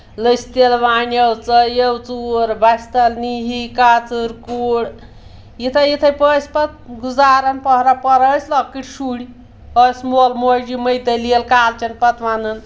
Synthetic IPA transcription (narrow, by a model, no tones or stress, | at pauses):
ləsʲt̪elʋaːnjewt͡sɐjewt͡suɾbasʲt̪ɐlniɦikaːt͡sɨɾkuːɽ | jit̪ʰɐjit̪ʰɐjpəsʲpɐt̪̚ɡuzaːɾɐnpɔɦɾapɐɾəsʲlɐkːiʈʰʲʃuːɽi | əsmoːlmod͡ʒiməjd̪ɐlielkaːlt͡ʃɐnpɐt̪ʰʋanɨn